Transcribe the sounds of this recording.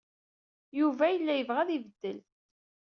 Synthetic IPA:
juvæjəlːæjəvʁæðivəd̪ːəl

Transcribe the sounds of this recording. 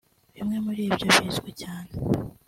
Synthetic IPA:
βimŋe̞muɾiːbɟoβiːzɡwecaːne

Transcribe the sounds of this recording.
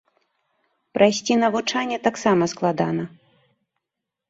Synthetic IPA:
pɾɐjsʲt͡sʲinɐvut͡ʂanʲːɛt̪aksamɐsklˠad̪anɐ

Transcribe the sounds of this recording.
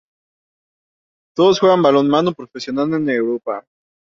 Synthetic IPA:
t̪o̞ðosxwe̞ɣambalo̞nmanopɾo̞fe̞sjo̞nalenewɾopa̰

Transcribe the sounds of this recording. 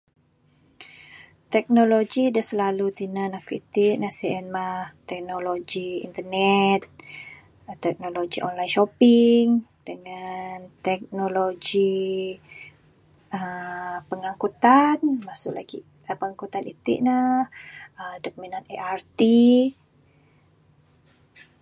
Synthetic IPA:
t̪ɛk̚noloɡidahsəlalut̪inanahkɾit̪iʔnasiɛnmaht̪ɛk̚nolod͡ʒiḭnt̪ərnɛt̪̚ | t̪ɛk̚noloɡiʔɔnlajnʃopiŋd̥əŋant̪ɛk̚noloɡi | əpəŋaŋkut̪anmasʊ̰ʔla̰ɡi | pəŋaŋkut̪anit̪ḭʔnahədok̚minaneʔart̪i

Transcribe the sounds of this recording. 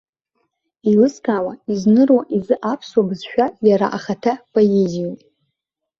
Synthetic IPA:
ilɨskʰʼaːwaiznɨrwaʔizɨʔapʰswabɨzʃᶣajaɾa̰ʔaχatʰapʰʼojezijatʼ

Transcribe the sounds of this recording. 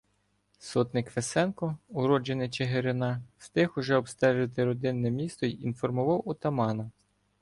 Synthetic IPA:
sɔt̪nɪkʋesɛnkɔʊɾɔd͡ʒenɪt͡ʃeɦeɾɪnɑst̪ɪxʊʒɛɔbst̪ɛʒɪt̪ɪɾɔd̪ɪnːɛmʲist̪ɔiinfɔrmʊʋɑwʊt̪ɐmɑnɐ

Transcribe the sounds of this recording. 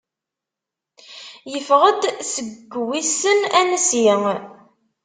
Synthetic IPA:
jəfʁəd̪səɡːwisːənænəsi

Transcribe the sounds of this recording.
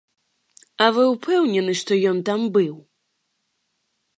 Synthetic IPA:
ɐvɨwpʰɛwnʲɛnɨʂt̪ɔjɔnt̪ambɨw

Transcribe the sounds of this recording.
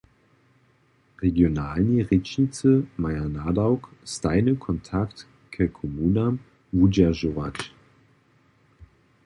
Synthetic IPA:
ʁeɡjonaːlniʁɛt͡ʃnit͡səmajanadaʊkstaɪnəkʰɔntʰakt | kʰəkʰomuːnam | vud͡ʒaʒovat͡ʃ

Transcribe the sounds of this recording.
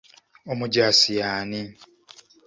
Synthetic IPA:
omuɟaːsijaːni

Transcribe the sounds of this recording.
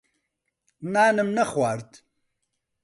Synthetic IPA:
naːnəmnɐχwaːɾt̪

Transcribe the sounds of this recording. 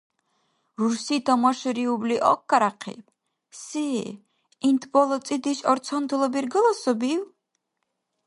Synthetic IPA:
ɾuɾsit̪ʰamwaʃuɾiubliʔɔkʰːaɾaqʰḭp | si | int̪ʰbɔlˠɔt̪sʼid̪iʃɔɾt̪sʰɔnd̪ʰlˠɔbiɾɡɔlɔsɔbiw

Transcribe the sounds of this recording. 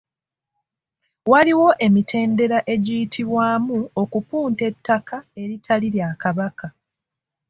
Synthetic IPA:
waliwo̞ʔe̞mitʰe̞ːnde̞ɾaʔe̞ɟijitʰiβwaːmuo̞kupuːnte̞tʰːakʰae̞ɾitʰaliɾjaːkaβaka

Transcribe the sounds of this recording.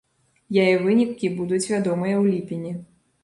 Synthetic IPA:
jajɛvɨnʲikʲibud̪ut͡sʲvʲad̪ɔmɨjɐwlʲipʲinʲi

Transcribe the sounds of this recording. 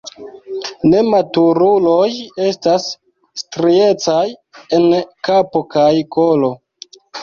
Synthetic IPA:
ne̞matuɾulo̞je̞stas | stɾie̞t͡saje̞nkapo̞kajko̞lo̞

